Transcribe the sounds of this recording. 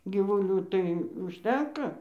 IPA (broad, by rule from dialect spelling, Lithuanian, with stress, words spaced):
ɡʲiːʋʊˈlʲuː tɐɪ ʊʃʲˈtʲɛŋkɐ